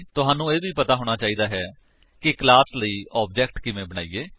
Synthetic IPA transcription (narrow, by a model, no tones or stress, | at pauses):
t̪ʊɦaːnːũːeːʋʱiːpət̪aːɦoːɽ̃aːt͡ʃaːiːd̪aːɦɛː | kɪklaːsləiːʔɔːbd͡ʒɛːkʈkɪʋẽːbəɽ̃a̰ːiːeː